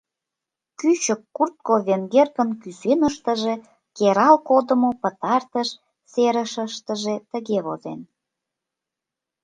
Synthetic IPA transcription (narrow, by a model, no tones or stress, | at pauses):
kyt͡ɕəkːurt̪̚koβeŋɡerkə̆nkysenəʃt̪ə̆ʒe | keɾɑlkod̪ə̆mopə̆t̪ɑrt̪əʃ | seɾəʃəʃt̪ə̆ʒet̪əɣeβozḛn